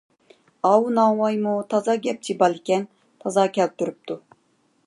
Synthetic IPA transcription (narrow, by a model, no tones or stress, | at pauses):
ɑwunɑŋwɑjmut̪ʰɑzɑɡʲɛp̚t͡ʃʰibɑlˠɪkʲɛn | t̪ʰɑzɑkʲʰɛl̚t̪yɾyp̚t̪ʰu